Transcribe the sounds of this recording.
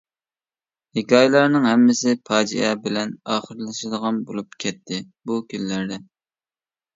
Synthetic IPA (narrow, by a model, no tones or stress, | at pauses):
hɪkʲɑːjlˠɑɾnɨŋɦɛmːɪsɪpʰɑːd͡ʒiɛbɪlɛnɑːχəɾlˠɨʃɨd̪əʁɑnbolˠup̚kʲʰɛt̪ʰːɪ | bukʲʰynlæɾd̪ɛ